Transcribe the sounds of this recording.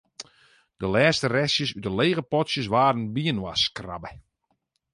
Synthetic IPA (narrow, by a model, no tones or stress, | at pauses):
d̥əlɛːstərɛsjəsytəleːɣəpɔtsjəsʋaːɾənbiənwa̰skra̰bə